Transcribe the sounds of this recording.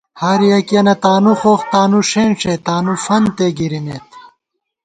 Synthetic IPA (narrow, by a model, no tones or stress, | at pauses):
haːɾijɐkiɐnɐt̪aːnuxoːxt̪aːnuʂeːnʂet̪aːnufɐnt̪eɡiɾinet̪